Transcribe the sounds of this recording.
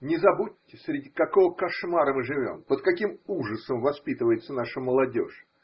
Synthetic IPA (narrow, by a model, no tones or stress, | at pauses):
nʲɪzɐbutʲːɪsʲɾʲɪdʲikɐko̞vəkɐʂmaɾəmɨʐɨvʲo̞̰mpət̪̚kɐkʲimuʐəsəmvɐspʲit̪ɨvəjɪt̪sənaʂəməlˠɐdʲo̰ʂ